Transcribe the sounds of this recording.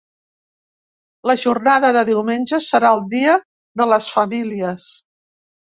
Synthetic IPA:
ləʒurnaðəðəðiwmenʲʒəsəɾaəlˠd̪iə | ðələsfəmiliəs

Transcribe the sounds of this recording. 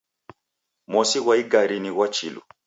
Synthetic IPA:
mɔsiɣwaiɡaɾiniɣwat͡ʃḭlṵ

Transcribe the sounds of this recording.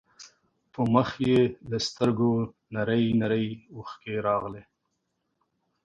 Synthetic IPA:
pəməxjeləst̪əɾɡo | naɾəjnaɾəjuxkeɾɑɣle

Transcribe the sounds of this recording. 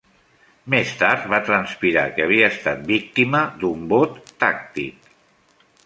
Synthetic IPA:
mest̪aɾt̪βat̪ɾənspiɾakəəβ̞iəːst̪at̪̚bik̚t̪iməd̪umbot̪ːak̚t̪ik

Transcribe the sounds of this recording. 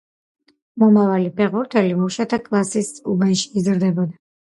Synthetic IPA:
mɔmavalipʰɛʁuɾt̪ʰɛlimɔʃat̪ʰakʼlˠasisubanʃi̥ːzɾd̪ɛbɔd̪a

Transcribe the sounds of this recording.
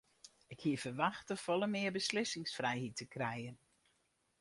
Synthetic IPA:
ɪkhiəfərʋaxtəfɔlˠəmɪərbəslɪsɪŋsfrɛjhitəkrɛjən

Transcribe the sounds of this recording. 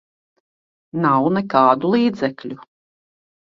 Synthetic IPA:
nawnɛkɑːd̪ulˠiːd̪zɛklʲu

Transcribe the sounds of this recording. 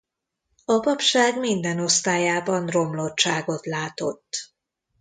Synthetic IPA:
ɒpɒpʃaːɡmind̪ɛno̞st̪aːjaːbɒnro̞mlo̞tt͡ʃaːɡo̞t̪laːt̪o̞t̪ː

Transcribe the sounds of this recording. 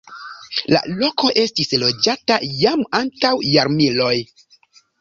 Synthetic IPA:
la̰lo̞ko̞ʔe̞stislo̞d͡ʒatajamantawjaɾmilo̞j

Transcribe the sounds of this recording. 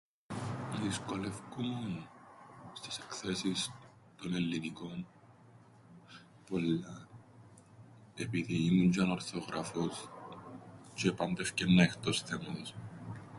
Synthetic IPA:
nɐðisko̞lefkumun | st̪i̥se̥kθe̞sis | t̪o̞ne̞lːiniko̞n | po̞lːɐ | e̞piðiːmuɲd͡ʒɐnɐɾθoɣɾʔɐfos | t͡ʃeːpɐnd̪efcenːɐext̪o̞sθemɐos

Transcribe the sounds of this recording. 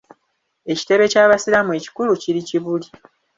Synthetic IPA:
e̞ci̥te̞βe̞caːβasiɾamwe̞ci̥kuluciɾiciβuli

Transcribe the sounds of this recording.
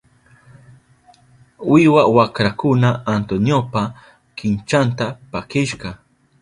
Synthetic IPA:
wɪwawakɾakʊnaːnt̪onjopa | kɪnt͡ʃant̪apakɪʃɢɑ

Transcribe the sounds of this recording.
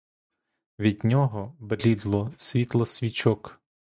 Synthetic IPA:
ʋʲid̪ʲnʲɔɦɔbelʲid̪lˠɔsʲʋʲit̪lˠɔsʲʋʲit͡ʃɔk

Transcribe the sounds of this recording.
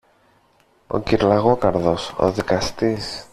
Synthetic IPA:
o̞̰ciɾlɐɣokɐɾðo̞so̞̰ðikɐst̪is

